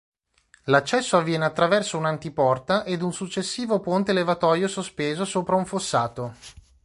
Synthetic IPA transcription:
lat͡ʃːɛsːoavːjɛːneat̪ːɾavɛrsounant̪ipɔrt̪aʔed̪unsut͡ʃːesːiːvopont̪elevat̪ɔːjosospeːzosoːpɾauɱfosːaːt̪o

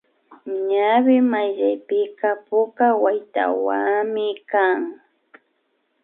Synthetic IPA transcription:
ɲawɪmajʎajpɪkapʊkawajt̪a̰waŋmɪkaŋ

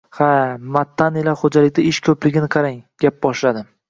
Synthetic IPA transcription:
hamat̪ʰːanilaχod͡ʒalɪkʲd̪aɪʃkʰɵplɪɡʲɪnɪqʰɑɾaŋɡʲap̚bɒʃlad̪ɪ

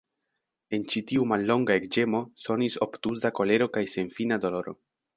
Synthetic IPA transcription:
e̞nt͡ʃitiumalːo̞ŋɡae̞kd͡ʒe̞mo̞so̞niso̞ptuzako̞le̞ɾo̞kajse̞nfinado̞lo̞ɾo̞̰

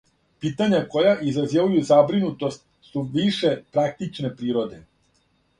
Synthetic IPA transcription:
piːt̪aɲako̞jaʔizɾazjeʋujuzabɾinut̪o̞st̪ | suʋiʃe̞pɾak̚t̪it͡ʃne̞pɾiːɾo̞d̪e̞

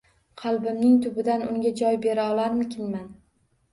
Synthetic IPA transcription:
qʰɑlˠbɪmnɪŋt̪ʰʊbɪd̪anʊŋɡʲad͡ʒɒjbe̞ɾaɒlˠaɾmɪkʲʰɪnman

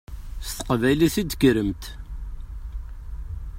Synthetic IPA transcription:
st̪ə̥qvæjliθid̪ɡəɾəmt̪

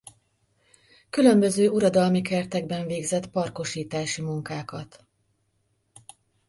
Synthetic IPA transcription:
kylø̞mbø̞zøːʔuɾɒd̪ɒlmikɛrt̪ɛɡ̚bɛɱveːɡzɛt̪pɒrko̞ʃiːt̪aːʃimuŋkaːkɒt̪

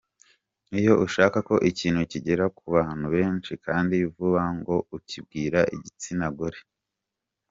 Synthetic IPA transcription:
ijo̞ʔuʃaːkako̞ʔiciːn̥huciɟe̞ɾakuβaːn̥huβe̞ːnt͡ʃikʰaːndijuvuβaŋɡo̞ucib̚ɡiːɾaʔḭɟit͡sinaɡoɾe

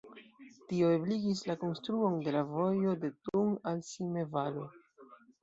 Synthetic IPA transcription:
tio̞ebliɡis̬lako̞nstɾuo̞nde̞lavo̞jo̞de̞tuŋalsimevalo̞

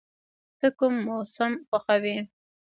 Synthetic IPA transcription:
t̪əkʊmːosamxəxawi

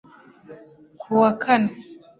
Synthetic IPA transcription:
kʰuwakʰan

